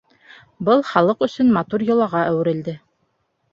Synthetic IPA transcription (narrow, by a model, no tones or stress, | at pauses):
bɤlˠχɑlˠɤqɵ̆sɵnmɑt̪uɾjɤ̆lˠɑʁɑʔæwɘ̆ɾɘ̆ld̪ɘ